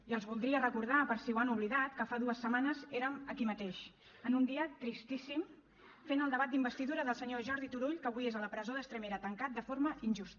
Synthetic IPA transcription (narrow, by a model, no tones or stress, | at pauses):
iəlˠzβulˠd̪ɾiərəkuɾð̞apəɾsiwanuβliðat̪kəfaðuəsːəmanəzeɾəməkimət̪eʃ | ənund̪iət̪ɾist̪isim | fenəlˠd̪əβat̪d̪imbəst̪iðuɾəðəlˠsəɲoʒɔɾðit̪uɾuʎkəβuiezələpɾəzoðəkst̪ɾəmeɾət̪əŋkat̪̚d̪əfoɾməʔinʲʒust̪